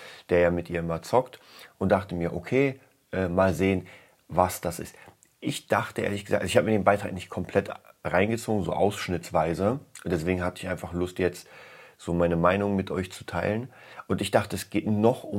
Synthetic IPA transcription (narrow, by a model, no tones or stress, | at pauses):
d̥eːɐjaːmɪtʔiːɐɪmɐt͡sɔkt | ʔʊnt̚d̥aχtəmiːɐʔokʰeː | ʔɛːmaːlzeːən | vasd̥asʔɪ̰st | ʔɪçd̥aχtəʔḛːɐlɪçɡ̥əza̰kʔalzoɪçhabəmːɐdeːnbaɪtʁ̥a̰ːknɪçt̚kʰɔmpʰl̥ɛtʁaɪnɡət͡soːɡŋ̩zo̰ːʔa̰ʊsʃnɪt͡sv̥aɪzəʊntd̥ɛsv̥eːɡŋ̩ɦatəɪçaɪnfaχlʊstjɛt͡stz̥oːmaɪnəmaɪnʊŋmɪtʰʔɔ̰ʏçt͡su̥tʰaɪlən | ʔʊntɪçd̥aχtəɛsɡ̥eːtnɔχʊ